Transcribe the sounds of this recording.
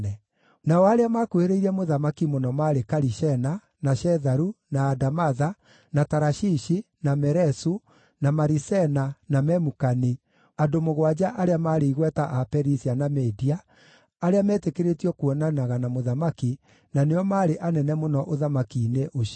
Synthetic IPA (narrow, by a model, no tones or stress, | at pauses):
ɛ | naɔaɾeamakoeɾeiɾɛmoðamakimonɔmaːɾekaɾiʃɛna | naʃɛðaɾunaːdamaða | nataɾaʃiʃi | namɛɾɛsu | namaɾisɛnanamɛmukani | adomoɣwad͡ʑaʔaɾeamaːɾeiɣwɛtaʔapɛɾisianamɛdiaː | ɾeamɛːtekeɾetiɔkwɔnanaɣanamoðamaki | naneɔmaːɾeʔanɛnɛmonɔʔoðamakiːneʔoʃ